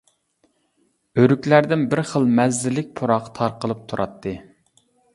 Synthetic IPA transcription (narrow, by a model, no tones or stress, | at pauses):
øɾykʲlæɾd̪ɪnbɪɾχəlˠmɛzːɪlːɪk̚ʲpʰoɾɑqt̪ʰɑɾqəlˠɨp̚t̪ʰuɾʔɑ̰t̪ʰːɨ